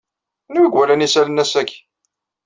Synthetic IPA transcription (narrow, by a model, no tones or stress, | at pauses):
nwiɡʷwælænisælənːæsæç